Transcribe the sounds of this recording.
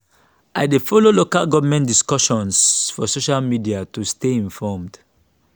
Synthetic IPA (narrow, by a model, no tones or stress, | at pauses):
ʔaɪdefɔlolokalɡɔvamɛ̃ntdiskɔʃɔ̃nsfɔsoʃalmidiatusteĩnfɔmd̥